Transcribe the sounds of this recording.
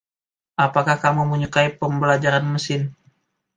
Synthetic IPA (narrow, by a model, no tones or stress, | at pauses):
ʔapakahkamuməɲukaipəmbəlad͡ʒaɾanməsɪn